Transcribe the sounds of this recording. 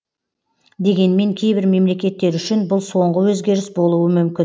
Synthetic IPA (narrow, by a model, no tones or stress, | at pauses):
d̪e̞ɡʲe̞nme̞ŋkʲʰe̞jbɪɾme̞mle̞kʲe̞t̪ːe̞ɾʏʃɪnbʊlˠso̞ɴʁəwɵzɡʲe̞ɾɪsbo̞lˠuəmʏmkʲɪ